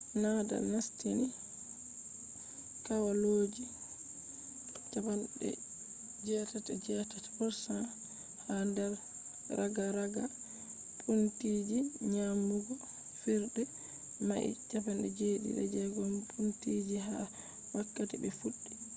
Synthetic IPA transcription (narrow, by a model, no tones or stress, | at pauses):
nada̰lnastini | kawaloːd͡ʒi | t͡ʃapanɗɛ̰ | d͡ʒɛːtatɛd͡ʒɛtatfɔɾsa | handɛɾ | ɾaɡaɾaɡa | pʰuntid͡ʒiɲamuɡɔ | fiɾdɛ | maʔḭt͡ʃapanɗɛ̰d͡ʒeːɗḭɗɛ̰d͡ʒɛɡɔmpʰuntid͡ʒiɦa | wakːatibɛfuɗːi